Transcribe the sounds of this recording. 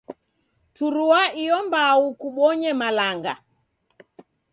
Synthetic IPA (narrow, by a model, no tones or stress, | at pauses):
tuɾuaijɔmbaukuɓɔɲɛmalaŋɡa̰